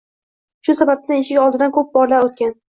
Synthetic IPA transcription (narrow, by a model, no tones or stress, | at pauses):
ʃʊsabap̚t̪ʰaeʃɪɡʲɒlˠd̪ɪd̪ankʰɵp̚bɒɾlaɾot̪kʲan